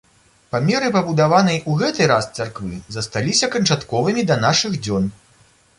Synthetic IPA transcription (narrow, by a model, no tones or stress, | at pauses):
pamʲɛɾɨpɐbud̪avanɐjuɣɛt̪ɨjɾast̪sarkvɨzɐst̪alʲisʲɐkɐnt͡ʂat̪kɔvɨmʲid̪ɐnaʂɨɣd͡zʲɔn